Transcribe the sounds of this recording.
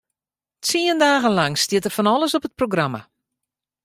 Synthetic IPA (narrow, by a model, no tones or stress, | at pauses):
t͡siəndaːɣənlaŋstjɪətəfɔnɔlˠəsɔpət̚proɡrama̰